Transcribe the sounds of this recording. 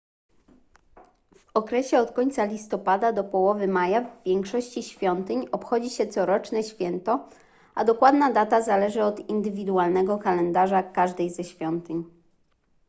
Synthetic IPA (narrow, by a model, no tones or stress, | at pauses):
v̥ɔkɾɛɕɛɔt̪kɔɲt̪salʲist̪ɔpad̪ad̪ɔpɔwɔvɘmajavːʲjɛŋkʂɔɕt͡ɕiɕfʲjɔnt̪ɘɲɔpxɔd͡ʑiɕɛt̪sɔɾɔt͡ʂnɛɕfʲjɛnt̪ɔ | ʔad̪ɔkwad̪nad̪at̪azalɛʐɘɔd̪ind̪ɘvʲid̪ualnɛɡɔkalɛnd̪aʐakaʐd̪ɛjzɛɕfʲjɔnt̪ɘɲ